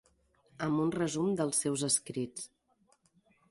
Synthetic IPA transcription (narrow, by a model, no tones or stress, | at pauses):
əmbunrəzumd̪əlˠsɛwzəskɾit͡s